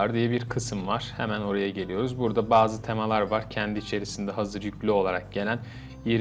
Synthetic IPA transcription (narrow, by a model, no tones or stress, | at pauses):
ɾd̪ijɛbiɾkʰɯsɯmvaɾ̥hḛmæno̞ɾajaɟe̞lijo̞ɾuzbuɾd̪abaːzɯt̪ʰe̞malˠaɾvaɾcʰɛnd̪iːt͡ʃʰe̞ɾisind̪ɛɦazɯɾjyclʲyo̞lˠaɾak̚ɟe̞lʲæn | jeɾ